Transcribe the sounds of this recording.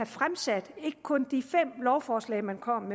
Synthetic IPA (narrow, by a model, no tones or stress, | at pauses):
æfʁamsæd̥e̝ɡ̥ə̥kʰɔ̽nd̥ifem̰lɒʊfɒːslɛ̰ɪmænkʰɒ̽m̰ːe